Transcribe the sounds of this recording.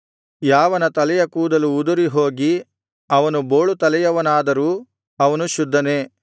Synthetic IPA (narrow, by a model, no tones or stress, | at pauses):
jaːʋɐnɐt̪ɐlɛjɐkuːd̪ɐluːd̪uɾiɦo̞ːɡi | ɐʋɐnuboːɭut̪ɐlɛjɐʋɐnaːd̪ɐɾuː | ɐʋɐnuʃud̪ʱːɐneː